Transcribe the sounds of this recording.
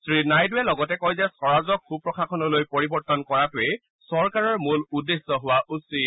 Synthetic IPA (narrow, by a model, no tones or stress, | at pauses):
sɹinajdʊɛlɔɡɔtɛkojzɛsɔɹazɔkʰːupɹɔkʰakʰɔnɔlojpoɹibɔɹtɔnkɔɹatʊɛ | sɔɹkaɹɔɹmuludesːɔɦʊwaʔusi